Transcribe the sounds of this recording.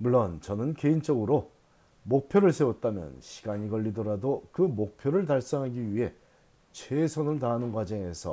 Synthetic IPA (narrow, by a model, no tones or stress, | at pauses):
muɭːʌnt͡ɕʌnɯnke̞int͡ɕ͈ʌɡɯɾo | mok̚pʰjoɾɯɭsʰe̞wʌt̚t͈amjʌ̰nɕʰi̥ɡaɲiɡʌʎːidʌɾadokɯmok̚pʰjoɾɯɭt̬aɭs͈aŋɦaɡiɥiɦe̞ | t͡ɕʰwe̞sʰonɯɭtaɦːnɯnɡwad͡ʑʌŋe̞sʰʌ̰